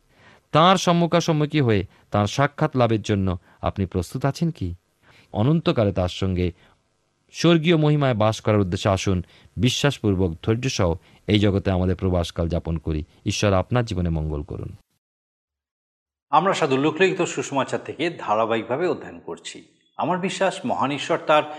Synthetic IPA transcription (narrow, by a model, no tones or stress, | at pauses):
t̪ãɾʃɔmːukʰaʃɔmːukiɦoe | t̪ãɾʃakʰːat̪labeɾd͡ʑonːo | a̰pnipɾost̪ut̪at͡ɕʰenki | ɔ̰nont̪okaɾet̪ãɾʃɔŋɡe | ʃoɾɡiomoɦimaebaʃkɔɾaɾud̪ːeʃːeaʃun | biʃːaʃpuɾbok̚d̪ʱoɾd͡ʑoʃɔɦo | ejd͡ʑɔɡot̪eamad̪eɾpɾobaʃkald͡ʑaponkoɾḭ | iʃːɔɾapnaɾd͡ʑibonemɔŋɡolko̰ɾṵn | amɾaʃad̪ulːukʰliɡit̪oʃuʃumat͡ɕaɾt̪ʰeked̪ʱaɾabaik̚bʱabeod̪ʱːankoɾt͡ɕʰi | amaɾbiʃːaʃmɔɦaniʃːɔɾt̪aɾ